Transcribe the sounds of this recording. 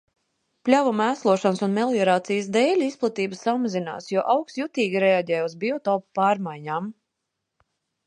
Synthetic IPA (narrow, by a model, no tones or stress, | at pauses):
plʲavumæːslˠuɔʃansunmʲɛlˠjɔɾaːt̪sijəsd̪ɛːlʲisplˠat̪iːbəsamazina̰ːsjuɔʔawkst̪jut̪iːɡʲiɾɛaɟɛːjuzbʲiɔt̪ɔːppaːɾmajɲaːm